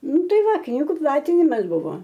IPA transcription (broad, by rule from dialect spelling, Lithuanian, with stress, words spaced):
ˈnʊ ˈtɐɪ ˈʋɐ ˈknʲiːɡʊ ˈplˠɑːtʲɪnʲɪmɐs ˈbʊʋoː